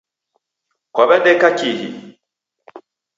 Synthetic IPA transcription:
kɔβɛndɛkakihḭ

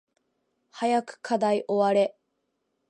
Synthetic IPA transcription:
hajakɯ̥kʰad̪aiʔo̞βaɾe̞

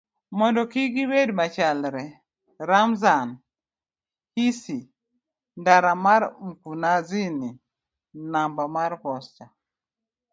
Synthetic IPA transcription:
mɔndɔkiɡiwedmat͡ʃalɾɛ | ɾamzan | kisi | ndaɾamaɾm̩kunazini | nambamaɾpɔst͡ʃa

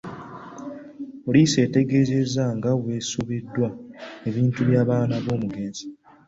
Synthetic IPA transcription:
olise̞ːte̞ɡe̞ːze̞zaŋɡaβwe̞suβidːwae̞βiːntuβjaːβaːnaβo̞ːmuɡe̞ːnzi

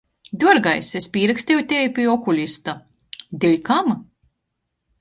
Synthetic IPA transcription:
d̪uɔɾɡajsespʲiːɾaksʲt̪ʲejut̪ʲɛːjpʲiɔkulʲist̪a | d̪ilʲkam

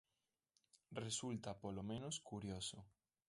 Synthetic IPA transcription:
result̪apolomẽnoskuɾjoso

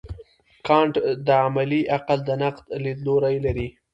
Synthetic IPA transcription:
kɑɳʈd̪əamaliʔaqald̪ənaqd̪lid̪loɾajlaɾi

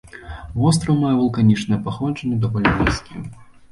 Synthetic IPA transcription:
vɔs̬t̪ɾɐwmajɛvɐlˠkanʲit͡ʂnɐjɛpaxˠɔt͡ʂɐnʲːɛd̪avɔlʲnʲibʲɛskʲiɛ̰

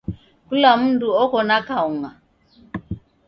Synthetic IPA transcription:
kulamundʼuɔkɔnakauŋa

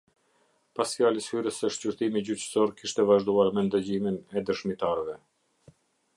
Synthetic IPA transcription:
pasfjaləshyɾəsəʃt͡ɕyɾt̪imid͡ʑyt͡ɕə̥sɔɾkiʃt̪ɛvaʒd̪uaɾmɛnd̪əd͡ʑiminɛd̪əʃmit̪aɾvɛ

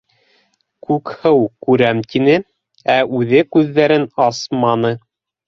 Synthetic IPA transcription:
kʉkhɤwkʉɾæmt̪inɘ | æʉðɘkʉðːæɾɘnɑsmɑnɤ

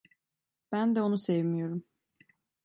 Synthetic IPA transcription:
b̥ænd̪ɛonusɛvmijo̞ɾum

